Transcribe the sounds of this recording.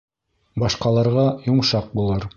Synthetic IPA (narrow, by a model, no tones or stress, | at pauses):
bɑʃqɑlˠɑɾʁɑjoɴʃɑq̚bulˠɤɾ